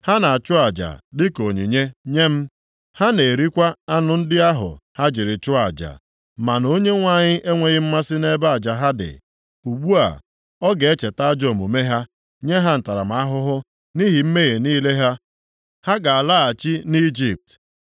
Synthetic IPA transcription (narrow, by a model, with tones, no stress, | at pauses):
ha˦na˨a˨t͡ʃʊ˦a˨d͡ʒa̰˨dɪ˦ko˨ɲi˨ɲe˦ɲe˦m̩˦ | ha˦ne˨ɾi˦kʷa˦a˦nʊ˨n̩˦dɪ˦a˦ɦʊ̰˨ha˦d͡ʒɪ˨ɾɪ˨t͡ʃʊ˦a˨d͡ʒa̰˨ | ma˨no˦ɲe˦ŋʷa˨ɲɪ˦ʔe˦ŋʷe˨ɣɪ˦m̩˦ma˦sɪ˦ne˦ba˦a˨d͡ʒa˨ɦa˦dɪ̰˨ | u˨ɡ͡bu˦a̰˨ | ɔ˦ɡe˨e˦t͡ʃe˨ta˦d͡ʒo˦˨mo˨me˦ɦa˦ | ɲe˦ɦa˦n̩˨ta˨ɾa̰˨m̩a˦ɦʊ˦ɦʊ˦ | ni˦ɦi˨m̩˦me˦ɣe˨niː˦le˦ɦa˦ | ha˦ɡa˨a˨la˦˨a˨t͡ʃi˦ni˦d͡ʒi˦˨p̚t